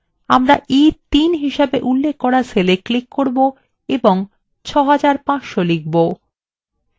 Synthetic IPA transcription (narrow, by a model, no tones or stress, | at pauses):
a̰mɾaʔit̪inɦiʃabeʔulːekːɔɾaseleklikːoɾbo | eboŋ | t͡ɕʰɔɦad͡ʑaɾpãʃolik̚bo